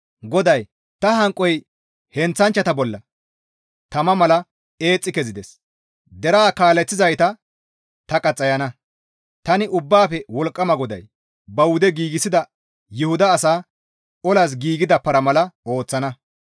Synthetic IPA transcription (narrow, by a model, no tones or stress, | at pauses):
ɡɔd̪ɐj | t̪ɐɦɐŋkʼːɔj | hɛnt͡sːɐnt͡ʃːɐt̪ɐbɔlːɐ | t̪ɐmɐmɐlɐ | e̞ːt͡sʼːɪkɛzɪd̪ɛs | d̪ɛɾaːkaːlɛt͡sːɪzɐjt̪ɐ | t̪ɐkʼɐt͡sʼːɐjɐnɐ | t̪ɐnɪʔʊbːaːfɛwɔlkʼːɐmɐɡɔd̪ɐ̰j | bɐwʊd̪ɛɡiːɡɪsɪd̪ɐ | jʊhʊd̪ɐːsaː | ʔɔlas̬ɡiːɡɪd̪ɐpːɐɾɐmɐlɐo̞ːt͡sːɐnɐ